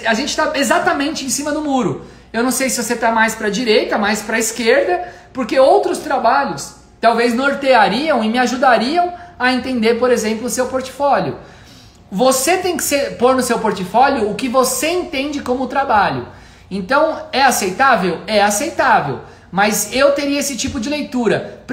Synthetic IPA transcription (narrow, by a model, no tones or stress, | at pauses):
aʒẽnt͡ʃɪ̥t̪aezat̪ɐmẽnt͡ʃɪẽsĩmɐd̪ʊmuɾʊ | ewnɐ̃w̃sejsɪvoset̪amajspɾɐd͡ʒiɾejt̪ɐmajspɾɐɪskeɾd̪ɐ | poɾkeowt̪ɾʊst̪ɾabaʎʊs | t̪awveznoɾt̪eaɾiɐ̃w̃ɪmɪaʒud̪aɾiɐ̃w̃ɐẽnt̪ẽnd̪eɾpoɾezẽmplʊsewpoɾt͡ʃɪ̥fɔlʊ | voset̪ẽj̃kɪ̥seɾpoɾnʊsewpoɾt͡ʃifɔljʊːkɪvoseẽnt̪ẽnd͡ʒɪkõmʊt̪ɾabaʎʊ̰ | ẽnt̪ɐ̃w̃ɛasejt̪avewɛasejt̪avḛw | mɐzewt̪eɾiɐesɪt͡ʃipʊd͡ʒɪlejt̪uɾɐp